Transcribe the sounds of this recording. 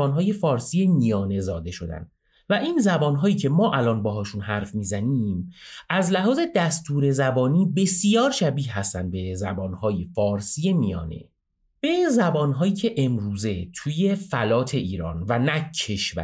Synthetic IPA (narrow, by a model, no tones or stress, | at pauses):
ɒːnɦɒːje̞fɒːɾsiːje̞mijɒːne̞zɒːd̪e̞ʃo̞̰d̪æ̰nd̪̥ | væʔiːnzæbɒːnɦɒːjiːcʰe̞mɒːʔælɒːnbɒːɦɒːʃunɦæɾfmiːzæniːmʔæzlæɦɒːze̞d̪æst̪uːɾe̞zæbɒːniːbe̞sijɒːɾʃæbiːhɦæst̪ænd̪̚be̞zæbɒːnhɒːjefɒːɾsije̞mijɒ̰ːne̞̰ | b̥e̞zæbɒːnɦɒːjiːcʰe̞ʔemɾuːze̞t̪ʰuːje̞fælɒːt̪ʰe̞iːɾɒ̰ːnvænæcʰːeʃvæ̰